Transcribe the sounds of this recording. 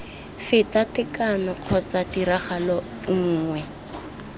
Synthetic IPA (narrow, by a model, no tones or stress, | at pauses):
fɪtatɪkanɔq͡χʰɔt͡sadiɾaχalɔ | ŋ̩ːŋwɛ